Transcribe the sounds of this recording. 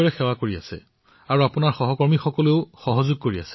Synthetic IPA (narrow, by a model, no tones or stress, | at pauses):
ɹɛxɛwakoɹia̰sɛ̰ | aɹuapʊnaɹxɔɦɔkɔɹmixɔkɔleʊxɔɦɔzʊɡ̚koɹia̰sɛ̥